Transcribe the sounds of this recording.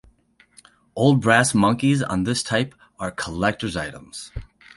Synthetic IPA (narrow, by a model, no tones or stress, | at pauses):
ʔoʊlˠd̚bɹæsmʌ̃ŋkizn̩ðɪstʰaɪp | ə˞kʰəlɛk̚tə˞zaɪɾə̰̃mz̥